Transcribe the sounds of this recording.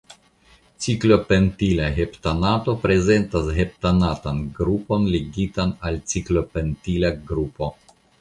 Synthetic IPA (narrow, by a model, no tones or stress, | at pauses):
t͡siklo̞pentilaɦeptanato̞pɾe̞ze̞ntashe̞p̚tanatanɡɾupo̞nleɡitanalt͡siklo̞pentilaɡɾupo̞